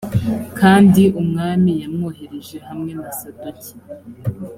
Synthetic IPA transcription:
kʰaːndiʔumŋaːmijamŋoːɦe̞ɾeʒe̞hamŋe̞nasadaci̥

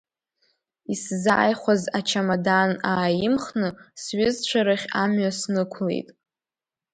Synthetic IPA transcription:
isza̰ːjχʷazat͡ʃʰamadanaːjɪmχnɨsɥɪzt͡ɕʷʰaɾaχʲamɥasnɨkʷʰlḛjtʼ

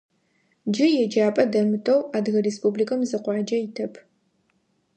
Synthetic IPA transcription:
d͡ʒɪjɛd͡ʒaːpʼɐdɐmɨtʰʼɐwaːdɣɐrespʼublikʰʼɐmzɨqʷɑːd͡ʒɐjɪtʰɐpʰ

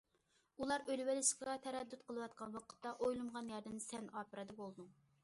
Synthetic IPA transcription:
ulˠɑɾølwɛlɪʃqɑt̪ʰɛɾɛd̪ːyt̪qʰəlˠɨwɑt̪̚qʰɑnwɑqʰə̥t̪ːɑʔojlˠɨmʁɑnjɑɾd̪ɨnsɛnɑːpɨɾɨd̪ɑbolˠd̪uŋ

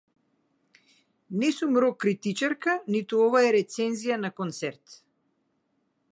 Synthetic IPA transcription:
nɛsumɾɔkːɾit̪it͡ʃaɾkanit̪uɔvaɛɾɛt̪sɛnzijanakɔnt̪sɛɾt̪

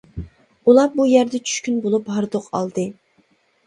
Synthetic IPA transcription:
ulˠɑbujæɾd̪ɛt͡ʃʰy̥ʃkʲynbolˠuphɑɾd̪oqʰɑ̰lˠd̪ɨ

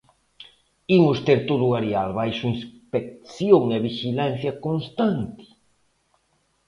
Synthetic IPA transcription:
imʊst̪eɾt̪oðʊaɾjalβajʃʊinspek̚θjoŋaβiʃilan̟θjɐkonst̪ant̪ɪ̥

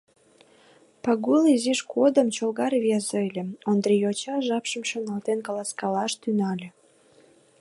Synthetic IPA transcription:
pɑɣuliziʃkʰod̪ə̆mt͡ɕolɣɑrβʲezɤlʲĕond̪ɾijot͡ɕɑʒɑpʃə̆mʃonɑlt̪enkɑlɑskɑlɑʃt̪ynɑlʲĕ

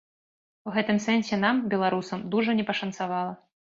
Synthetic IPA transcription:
uɣɛt̪ɨmsɛnsʲɛnambʲɛlˠaɾusɐmd̪uʐɐnʲɛpɐʂɐnt̪savalˠɐ

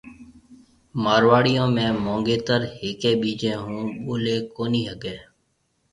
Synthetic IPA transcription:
maːɾʋaːɽɪjõːmẽːmõːŋɡeːt̪əɾheːkẽːɓiːd͡ʒẽːɦũːɓoːleːkoːniːɦəɡeː

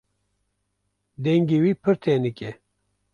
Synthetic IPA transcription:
d̪ɛŋɡiwiːpʰɨɾt̪ʰeːnɨkʲʼɛ

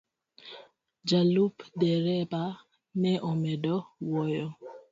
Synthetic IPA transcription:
d͡ʒalupdɛɾɛpa | nɛʔɔmɛdɔwɔjɔ

